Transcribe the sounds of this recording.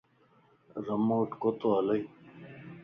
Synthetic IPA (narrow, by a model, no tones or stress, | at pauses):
ɾɐmoːʈkot̪oɐlɐj